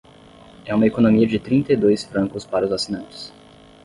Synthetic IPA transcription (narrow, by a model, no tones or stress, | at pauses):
ɛũmɐekonomiɐd͡ʒɪt̪ɾĩnt̪ɐid̪ojsfɾɐ̃ŋkʊspaɾɐʊzasinɐ̃nt͡ʃɪ̥s